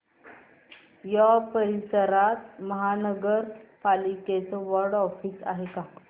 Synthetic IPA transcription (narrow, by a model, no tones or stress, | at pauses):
japəɾisəɾat̪məɦanəɡəɾpaliket͡səʋəɾɖɔfiːsa̰ɦeka